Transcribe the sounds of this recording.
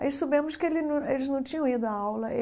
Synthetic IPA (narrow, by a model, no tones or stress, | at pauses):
a̰isobẽmʊʃkɪelɪnɐ̃elɪznɐ̃w̃t͡ʃĩɲɐ̃w̃id̪ʊɐawlɐ